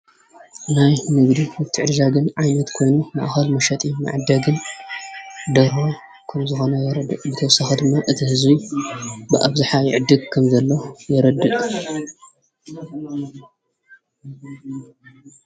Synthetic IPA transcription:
najmɨɡd̪iɨt̪ʰiʕɨɾʒaɡɨnʕajnɐt̪kʰo̞jnuma̰ʔxɐlmɐʃɐt̪ʼima̰ʕd̪ɐɡɨn | d̪ɐɾho | kʰɐmzɨxo̞nɐjɛɾɐd̪ɨʔʼbɨt̪ʰɐwsaxɐd̪ɨmːaʔɨt̪ʰihɨzbi | bɨʔa̰βzaħajɪʕɨd̪ːɨɡ̚kʰɐmzɐlːojɛɾɐd̪ɨqʼ

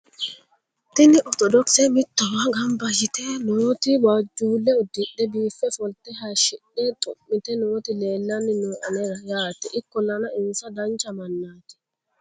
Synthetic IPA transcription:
t̪ɪnɪʔɔt̪ɔd̪ɔksɛmɪt̪ːɔwaɡɐmbɐʃɪt̪ɛnʊwɔt̪ɪwad͡ʒuːlːɛɔd̪ːɪɗːɛbiːfːɛfɔlt̪ɛɦɐʃɪɗːɛt̪ʼʊmːɪt̪ɛnɔɔt̪ɪle̞ːlːɐnːɪnɔːʔɐnɛɾɐjaːt̪ɛʔɪkːɔlɐnɐʔɪnsɐd̪ɐnt͡ʃːɐmɐnːaːt̪ɛ̥

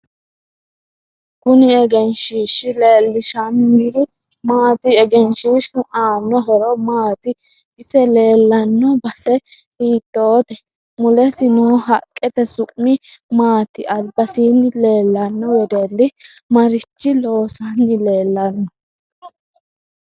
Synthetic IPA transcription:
kʊnɪɛɡɛnʃiːʃɪle̞ːlːɪʃɐnːiɾɪ | maːt̪ɪɛɡɛnʃiʃʊʔaːnːɔɦɔɾɔmaːt̪ɪ | ɪsɛle̞ːlːɐnːɔbɐsɛ | hiːt̪ːoːt̪ɛ | mʊlɛsɪnɔɦɐkʼːɛt̪ɛsʊʔmːɪ | maːt̪ɪʔɐlbɐsiːnːɪle̞ːlːɐnːɔwɔd̪ɛlːɪ | mɐɾɪt͡ʃːɪlo̞ːsɐnːɪle̞ːlːɐnːɔ

